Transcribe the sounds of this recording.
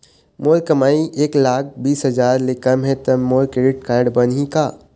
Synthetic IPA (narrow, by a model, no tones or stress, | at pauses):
moːɾkəmaːiʔeːklaːk̚ʰbiːsɦɐd͡ʒaːɾlɪkəmɦɛ̃t̪ɐmːoːɾkɾeɖɪʈkaːɾɖbɐnikaː